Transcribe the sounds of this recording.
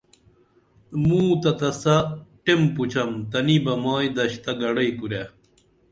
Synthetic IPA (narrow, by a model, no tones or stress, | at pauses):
mũːt̪ɐt̪ɐsɐʈemput͡ɕʰɐmt̪ɐnibɐmaːjd̪ɐɕt̪ɐɡɐɽɐjkuɾe